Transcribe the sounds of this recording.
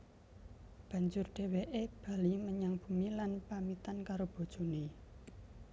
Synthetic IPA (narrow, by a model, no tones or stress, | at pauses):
b̥a̤ɲd͡ʒʊrɖ̥e̤weʔeb̥a̤liməɲaŋb̥ṳmilanpamit̪ankaɾob̥o̤d̥ʒ̥o̤ne